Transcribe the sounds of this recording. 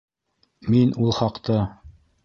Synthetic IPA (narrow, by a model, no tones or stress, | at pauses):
minulˠχɑqt̪ɤ